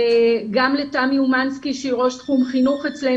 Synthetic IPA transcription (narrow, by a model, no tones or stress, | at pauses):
ɡamletamiumanskiʃeʁo̞ʃtχumχinuχet͡sle